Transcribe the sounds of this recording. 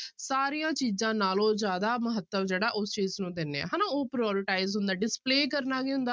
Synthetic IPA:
saːɾijãːt͡ʃiːzãːnaːlõːd͡ʒjaːd̪aːməɦət̪ːəmd͡ʒeːɽaːʔʊst͡ʃiːznũːd̪ɪnːeːa̰ːɦaːnaːoːpɾɔːɾɪʈaːɪzɦʊ̃nd̪aːɖɪspleːkəɾnaːɡiʊ̃nd̪aː

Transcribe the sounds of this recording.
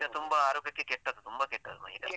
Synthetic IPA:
d̪ɐt̪umbɐaːɾoːkɐkːekɛʈːɐd̪ut̪umbɐkɛʈːɐd̪umɐ̰ɦit̪ɐ

